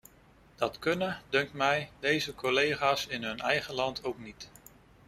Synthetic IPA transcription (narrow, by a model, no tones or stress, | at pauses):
d̥ɑtkɵnədɵŋk̚tmɛjdejzəkolejχaːsɪnɦɵnɛjχəlɑntʰowknit